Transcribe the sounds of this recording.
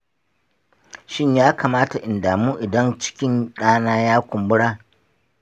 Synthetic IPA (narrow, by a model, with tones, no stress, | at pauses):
ʃɪ˦ɲjaː˦kaː˨maː˦ta˨ʔɪ˨ndaː˨muː˦ʔɪ˨dɐ˦nt͡ʃɪ̥˦kʲɪ˦nɗaː˦naː˦jaː˦kʷʊ˨mbʊ˦ɽaː˦˨